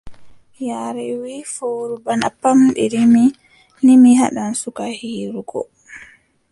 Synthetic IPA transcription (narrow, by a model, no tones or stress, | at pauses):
jaɾɛwiːfoːɾubana̰pːamɗɛ̰limi | limiɦaɗansukahiːɾuɡɔ̰